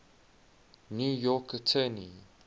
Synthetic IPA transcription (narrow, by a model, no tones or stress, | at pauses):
njuːjɔkətʰənḭ